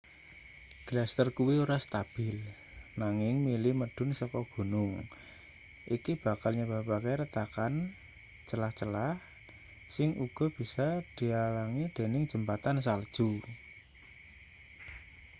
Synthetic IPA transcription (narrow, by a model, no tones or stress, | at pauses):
ɡ̥last̪ərkuwiuɾast̪ab̥ɪl | naŋɪŋmilɪməɖ̥ʊ̤nsɔkɔɡ̥ṳnʊŋ | ʔikib̥a̤kalɲab̥a̤bakeɾət̪akan | t͡ʃəlaht͡ʃəlah | sɪŋuɡ̥ɔ̤b̥i̤sad̪̥i̤alaŋid̪̥e̤nɪŋ̥d͡ʒ̥ə̤mpat̪ans̬ald̥ʒ̥u